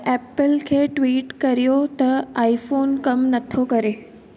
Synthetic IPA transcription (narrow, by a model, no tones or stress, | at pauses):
ɛːpəlkʰeːʈʋiːʈkɐɾijot̪ɐaːifoːnkɐmnɐt̪ʰokɐɾeː